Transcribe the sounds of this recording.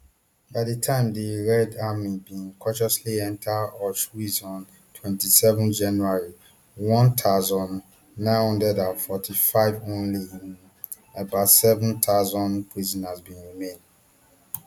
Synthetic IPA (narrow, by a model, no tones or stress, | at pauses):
badetʰãɪ̃mdeɹɛdamibĩnkʰɔ̃nʃɔsliɛ̃ntʰaɔʃwizɔ̃n | tʰwɛ̃ntisɛvɔ̃nd͡ʒãnuaɹi | wɔ̃ntʰaʊzɔ̃nː | ãɪ̃nhɔ̃ndɛdãnfɔtʰifaɪvõnli | əbaʊtsɛvũntʰaʊzɔ̃npʰɹizɔ̃nazbĩnɹimẽnd